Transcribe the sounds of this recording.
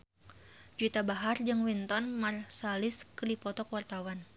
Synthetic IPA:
d͡ʒuit̪abaɦard͡ʒɨŋwint̪ɔnmarsalɪskəlipɔt̪ɔkwart̪awan

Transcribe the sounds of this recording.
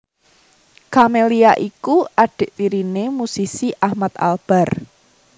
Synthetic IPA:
kameliaʔikuʔaɖ̥e̤ʔt̪iɾinemusisiʔahmat̪a̰lb̥a̤r

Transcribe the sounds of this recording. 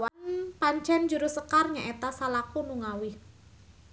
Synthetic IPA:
anpaɲt͡ʃɛnd͡ʒuɾusəkarɲaʔet̪asalakunuŋawɪh

